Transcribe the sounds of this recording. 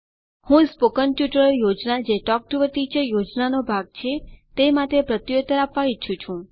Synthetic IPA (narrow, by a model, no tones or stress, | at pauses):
hũspokənʈjuʈəɾjod͡ʒnad͡ʒeʈɔk̚ʈuʋət̪it͡ʃəjod͡ʒnanobʱaɡ̚t͡ʃʰet̪emat̪epɾət̪jot̪əɾapʋait͡ʃʰũt͡ʃʰũ